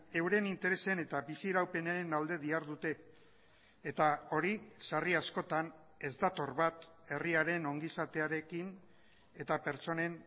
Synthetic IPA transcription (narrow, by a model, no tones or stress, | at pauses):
e̞wɾe̞nint̪e̞ɾe̞se̞ne̞t̪abisieɾawpe̞naenald̪e̞ðiaɾðut̪e̞ː | t̪ao̞ɾisariasko̞t̪an | e̞zd̪at̪o̞rβat̪ | e̞riaɾe̞no̞ŋɡisat̪e̞aɾe̞kin | e̞t̪ape̞ɾt͡so̞ne̞n